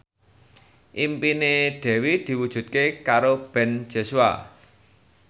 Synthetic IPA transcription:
ʔimpineɖ̪̥ɛ̤wid̪̥i̤wud̥ʒ̥ṳt̪̚kekaɾob̥ɛ̤n̥d͡ʒ̥o̤sua̰

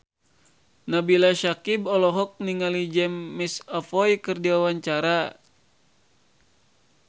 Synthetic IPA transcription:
nabilaʃakibɔlɔɦɔk̚niŋalid͡ʒɛmːisafɔjkɨrdiwawaɲt͡ʃaɾa

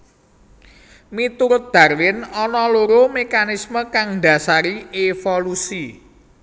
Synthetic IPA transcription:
mit̪uɾʊt̪̚d̪̥ä̤rwɪnɔnɔloɾomekanisməkaŋɖ̥a̤saɾiefolusi

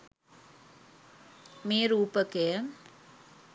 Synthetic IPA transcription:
meːɾuːpəkejəm

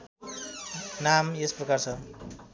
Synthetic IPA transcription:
namesprʌkart͡sʰʌ

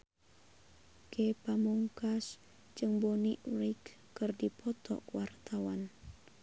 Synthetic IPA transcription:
kepamuŋkas | d͡ʒɨŋboniʔɾikː | ɨrdipʰɔt̪ɔ̰kwart̪awan

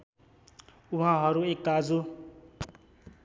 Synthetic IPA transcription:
uɦãɦʌɾuekːad͡zu

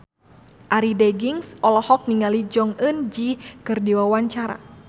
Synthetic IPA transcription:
ʔaɾidɛɡiŋsʔɔlɔhɔk̚niŋalid͡ʒɔŋənd͡ʒikɨrdiwawaɲt͡ʃaɾa̰

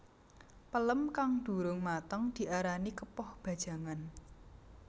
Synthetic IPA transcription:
pələmkaŋd̪̥ṳɾʊŋmat̪əŋd̪̥i̤ʔaɾanikəpɔhb̥ä̤d̥ʒ̥a̤ŋan

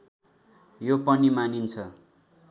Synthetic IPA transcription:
jopʌnimanint͡sʰʌ

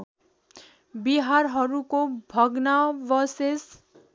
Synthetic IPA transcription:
biɦarɦʌɾukobʱʌɡnabʌses

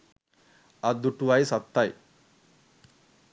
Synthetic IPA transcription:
ɐd̪uʈuʋajsɐt̪ːaj

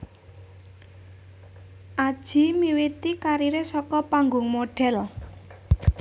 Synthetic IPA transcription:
ʔad̥ʒ̥i̤miwit̪ikaɾiɾesɔkɔpaŋɡʊŋmoɖ̥ɛ̤l

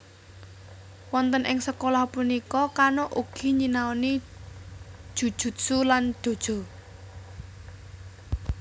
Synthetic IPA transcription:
wɔnt̪ənʔɪŋsəkolɔhpunikɔkanoʔuɡ̥i̤ɲinaoni | ʒ̥ṳd̥ʒ̥ṳt̪̚suland̪̥o̤d̥ʒ̥o̤

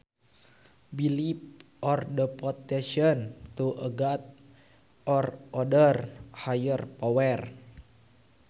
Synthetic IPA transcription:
bilip̚ | ɔrdəpɔt̪ɛʃənt̪uʔəɡat̪̚ | ɔrɔdərhajərpɔwɛr

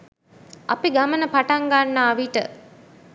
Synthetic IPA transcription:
a̰piɡamənəpaʈaŋɡanːaːʋiʈə

